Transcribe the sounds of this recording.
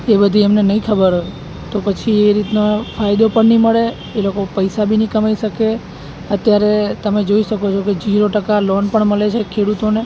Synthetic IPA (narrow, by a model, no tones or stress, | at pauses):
ebəd̪ʱiemnenəĩkʰəbəɾɦoe | t̪opət͡ʃʰieɾit̪nofajd̪opəɳnĩməɭe | elokopəjsabʱinĩkəmajʃəke | ət̪jaɾet̪əmed͡ʒoiʃəkot͡ʃʰoked͡ʒiɾoʈəkalonpəɳməlet͡ʃʰekʰeɽut̪one